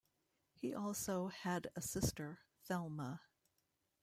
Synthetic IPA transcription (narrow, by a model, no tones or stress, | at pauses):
hiʔɔlˠsoʊɨɾɨsɪstə˞ | fɛlˠmə